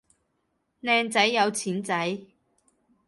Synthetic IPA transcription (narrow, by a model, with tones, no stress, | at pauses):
nɛː˧ŋt͡sɐ˨˥jːɐ˨˧wt͡sʰiː˨˥nt͡sɐ˨˥j